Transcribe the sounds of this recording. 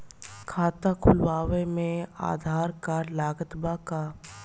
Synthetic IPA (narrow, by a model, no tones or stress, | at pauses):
kʰaːt̪akʰʊlwaːʋemẽa̰ːd̪ʱaːɾkalaːɡət̪baka